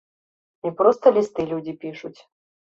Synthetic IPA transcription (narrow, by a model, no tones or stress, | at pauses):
ipɾɔst̪ɐlʲist̪ɨlʲud͡zʲipʲiʂut͡sʲ